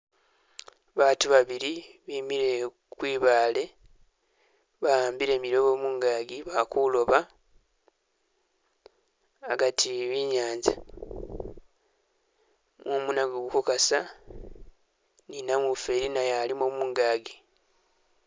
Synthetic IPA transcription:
βaːtuβaβiɾiβiːmiɾe̞ | kwiːβaːle̞ | βajaːmbiɾe̞ːmiɾo̞βo̞ːmuːŋɡaːɡiβakulo̞βa | ɡatʰiβiɲaːnza̰ | mwomunaɡoɡukokasa | ninamufeɾinajalimomuːŋɡaːɡi

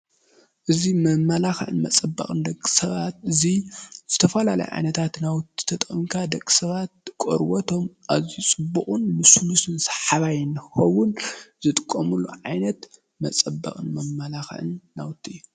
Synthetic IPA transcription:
ʔɨzimɐmalaxʕɨ̰nmɐt͡sʼɐbːɐ̰χʼɨnd̪ɐkʼːi̥sɐβat̪̚ɨziz̥ɨt̪ʰɐfɐlalɐ̰jʕa̰jnɐt̪ʰat̪nawt̪ʰːi̥t̪ʰɐt̪ʼɨmkʰad̪ɐkʼi̥sɐβat̪̚kʼo̰ɾwɐt̪ʰo̞mʔazit͡sʼɨbːuχʼunmɨsulusɨnsɐ̥ħaβajnɨxɐwʊnzɨt̪ʼɨkʼːomulːṵʕajnɐt̪ | mɐt͡sʼɐbːɐ̰kʼɨnmɐmːalaxʕɨ̰nːawt̪ʰːijːu

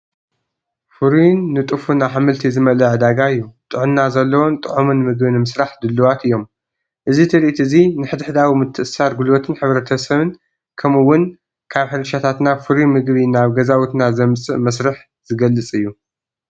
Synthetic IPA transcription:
fuɾinːɨt̪ʼɨfunaħamɨlt̪ʰizɨmɐlɐʕɨd̪aɡaɨjːut̪ʼɨʕumnazɐlːɐwont̪ʼɨʕumɨnɨmɨɡbinɨmɨsɾaħd̪ɨlːuwat̪ɨjːo̞m | ʔɨzit̪ʰɨɾiʔt̪ɨzinɨħɨd̪ħd̪awimɨt̪ʰːɨʔɨsaɾɡulwot̪ʰɨnħɨβɾɐt̪ʰɐsɐβɨn | kʰɐmɨwːʊn | kʰaβħɨɾɐʃat̪ʰat̪nafɨɾimɨɡβinaβɡɐzawut̪nazɐmt͡sʼɨ̰ʔmɐsɾɨħ | zɨɡɐlːɨt͡sʼɨjːu

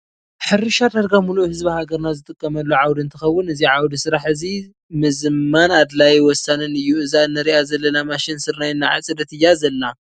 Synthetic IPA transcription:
ħɨɾɨʃad̪aɾɡamuluʔhɨzbihaɡɐɾnazɨt̪ʼɨkʼːɐmɐlːuʕawd̪ɨnt̪ʰɨxɐwːʊnɨziʕawd̪isɨɾaħɨzi | mɨzmanad̪lajwɔsːanɨnɨjːuɨzaɨnːɐɾiʔazɐlːɐnamaʃɪnsɨɾnajɨnːaʕa̰t͡sʼɨd̪ɐt̪ʰɨjːazɐlːa

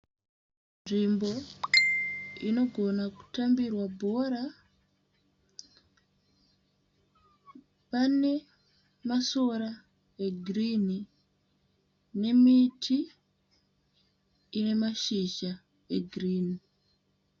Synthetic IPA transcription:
nʐimbo̞ | ino̞ɡʱo̞naku̥tambirwabʱo̞ɾa | pane̞ | maso̞ɾa | eɡʱrini | ne̞mitʰi | ne̞maʃiʃa | eɡʱriːni

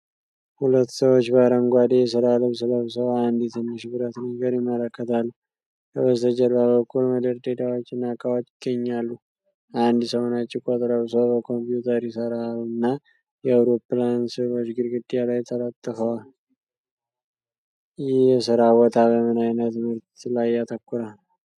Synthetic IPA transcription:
hulət̪ːsəwot͡ʃːbaɾəmɡʷad̪ejɛs̬əɾaləβs̬ɨləβsəwand̪jɛt̪ʰɨnːɨʃbɨɾət̪nəɡəɾjɪmːələkːət̪ʰalːu | kʰəβət̪ʰəd͡ʒəlbabəkʰːulməd̪əɾd̪ed̪awo̞t͡ʃːɪnːakʰʼːawat͡ʃ̪ʼɪɡəɲːalːu | ʔand̪səwnat͡ʃʼːɪkʼot̪ʼɾəβsəwbəkʰo̞mpjut̪ʰəɾɪsəɾanːa | jɛawɾo̞plansɨβot͡ʃːɡɨɾɡɨd̪ijalajt̪ʰələt̪ʼːəfəwal | jɪhjɛsɨɾawɔt̪ʰʼabəmɨnajnət̪mɨɾt̪lajːat̪ʰəkːʊɾal

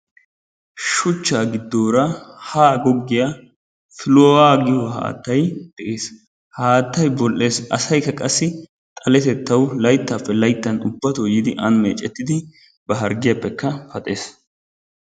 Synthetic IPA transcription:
ʃʊt͡ʃːaːɡɪd̪ːoːɾɐhaːɡɔɡːɪja | fɪlowaːɡɪhɔɦa̰ːt̪ːɐjd̪̥ɛʔeːs | haːt̪ːɐjbɔlʔːe̞ːsʔɐsɐjkːɐkʼɐsːɪ | t̪ʼɐlɛt̪ɛt̪ːɐwlɐjt̪ːaːpːɛlɐjt̪ːɐnʊbːɐt̪ɔjɪd̪ɪʔɐnmḛːt͡ʃʼɛt̪ːɪd̪ɪ | b̥ɐɦɐɾɡɪjɐpːɛkːɐfɐt̪ʼe̞ːs

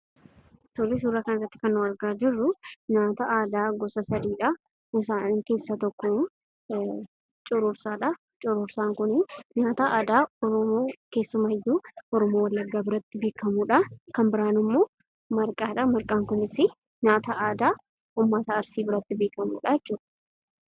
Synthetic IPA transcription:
t̪olɛs̬uːɾːaːkɐnɐrːɐt̪ːɪ̥kɐnːʊɐɾɡaːd͡ʒɪrːʊɲaːt̪ɐʔaːd̪aːɡɔsɐsɐd̪iːᶑɐ | ɪs̬aːniːŋke̞ːsːɐt̪ɔkːɔ | t͡ʃʼʊɾʊːɾsaːᶑɐ | t͡ʃʼʊɾʊːɾsaːŋkʊnɪɲaːt̪ɐʔaːd̪aːɔɾɔmoːke̞ːsːʊmɐhɛjːuːɔɾɔmoːwɐlːɐɡːaːbɪɾɐt̪ːɪbeːkɐmuːᶑɐkɐmbɪɾaːnɪmːo̞ː | mɐɾkʼaːᶑɐmɐɾkʼaːŋkʊnɪsɪ | ɲaːt̪ɐʔaːd̪aː | uːmːɐt̪ɐːɾsiːbɪɾɐt̪ːɪbeːkɐmṵːᶑɐjɛt͡ʃːuːᶑɐ̥

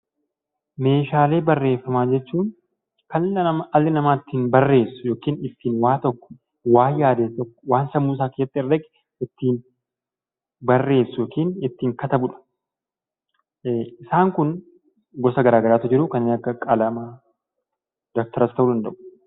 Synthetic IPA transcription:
me̞ːʃaːle̞ːbɐrːe̞ːfːɐmaːd͡ʒɛt͡ʃːuːŋ | kɐlːɐɐmɐlːɪnɐmaːt̪ːiːnbɐrːe̞ːsːʊ̥joːkiːnɪt̪ːiːnwaːt̪ɔkːɔ̥ | waːjjaːd̪eːst̪ɔkːɔ̥waːnsɐmːuːs̬aːkɪjɐt̪ːɪɪrːɛɡɛ̥ | ɪt̪ːiːn | bɐrːe̞ːsːʊjoːkiːnɪt̪ːiːŋkɐt̪ɐbʊᶑɐ̥ | ɪsaːŋkʊn | ɡɔsɐɡɐɾaːɡɐɾaːt̪ʊd͡ʒɪɾʊkɐnɪɐkːɐkʼɐlɐmaː | d̪ɔk̚t̪ɐɾɐst̪ɐʔuːd̪ɐnd̪ɐʔʊ̥

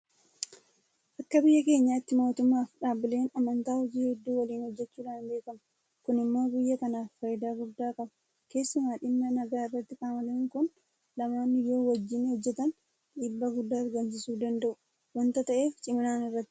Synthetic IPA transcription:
ʔɐkːɐbɪjːɐke̞ːɲːaːɪt̪ːɪmo̞ːt̪ʊmːaːfᶑaːbɪle̞ːnɐmɐnt̪aːhɔd͡ʒiːhɛd̪ːuːwɐliːnhɔd͡ʒːɛt͡ʃːuːᶑaːnbe̞ːkɐmɐ | kʊnɪmːoːɡɪjːɐkɐnaːffɐjɪd̪aːɡʊd̪ːaːkʼɐbɐ̥ | ke̞ːsːʊmaːᶑɪmnɐnɐɡaːɪrːɐt̪ːɪkʼaːmɐleːŋkʊn | lɐmaːnːɪjoːwɐd͡ʒːɪnhɔd͡ʒːɛt̪ɐn | ᶑiːbːaɡʊd̪ːaːɐɾɡɐnsɪsuːd̪ɐnd̪ɐʔʊ | wɐnt̪ɐt̪ɐʔe̞ːft͡ʃʼɪmɪnaːnɪrːɐt̪ːɪ̥

